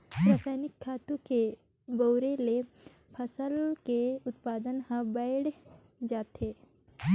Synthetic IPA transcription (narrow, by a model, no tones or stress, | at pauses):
pɾaːsaːnɪkʰːaːt̪ũke | bəʊɾele | pʰəsəlkeʊt̪paːd̪ənɦãbəɪɽ | d͡ʒaːt̪eː